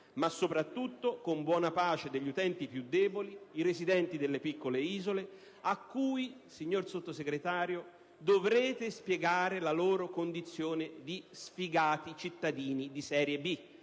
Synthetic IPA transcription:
masːopɾat̪ːut̪ːokombwɔːnapaːt͡ʃed̪eʎːut̪ɛnt̪ipjud̪ːɛːboliiɾezid̪ɛnt̪id̪elːepikːoleiːzole | akːuːjsiɲːorsot̪ːoseɡɾet̪aːɾjo | d̪ovɾɛːt̪ɪspjɛɡaːɾelaloːɾokond̪it̪sːjoːned̪isfiɡaːt̪it͡ʃit̪ːad̪iːnid̪isɛːɾjebi

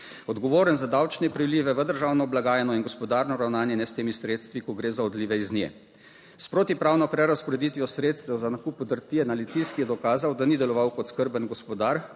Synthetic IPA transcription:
ɔd̪ɡɔʋoːɾənzad̪awt͡ʃnɛpɾiliːʋɛʋəd̪əɾʒaːwnɔblaɡaːjɛnɔinɡɔspɔd̪aːɾnɔɾawnaːnjɛnɛst̪eːmisɾeːt̪st̪ʋikɔɡɾeːzaɔd̪liːʋɛiznjɛ̰ | spɾoːt̪ipɾaːwnɔpɾɛɾaspɔɾɛd̪it̪ʋijɔsɾeːt̪st̪ɛwzanakuːpɔd̪əɾt̪iɛnalit̪iskijɛd̪ɔkaːzawd̪anid̪ɛlɔʋawkɔt̪skəɾbənɡɔspɔd̪aɾ

